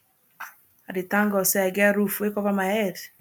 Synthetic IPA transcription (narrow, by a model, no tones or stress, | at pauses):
aɾitaŋɡɔsɛɡɛaɾufekɔvamaɛɾ